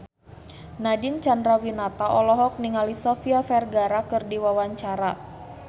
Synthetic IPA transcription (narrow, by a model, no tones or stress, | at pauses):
nadint͡ʃandɾawinat̪aʔɔlɔɦɔk̚niŋalisɔfiafɛrɡaɾakɨrdiwawaɲt͡ʃaɾa